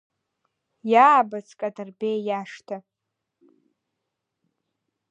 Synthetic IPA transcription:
jaːbat͡sʰkʼadarbejjaʂtʰa

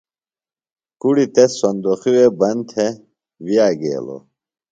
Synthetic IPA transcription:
kuɽit̪esːɐnd̪oxiwebɐnt̪ʰe | wijaːɡḛːlo̰

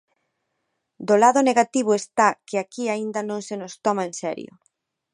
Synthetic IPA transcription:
d̪olaðʊneɣat̪iβ̞ʊest̪akɪakiaind̪ɐnõŋsenʊst̪ɔmaensɛ̰ɾj̰o̰

